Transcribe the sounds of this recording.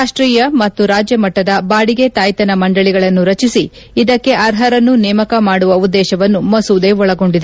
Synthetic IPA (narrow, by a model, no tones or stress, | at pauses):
aːʂʈɾiːjɐmɐt̪ːuɾaːd͡ʒjɐmɐʈːɐd̪ɐbaːɽiɡe̞t̪aːjt̪ɐnɐmɐɳɖɐɭiɡɐɭɐnːuɾɐt͡ʃisi | id̪ɐkːe̞ʔɐɾɦɐɾɐnːunɛːmɐkɐmaːɽuʋɐud̪ːɛːʃɐʋɐnːumɐsud̪e̞ːɔɭɐɡo̞ɳɖid̪e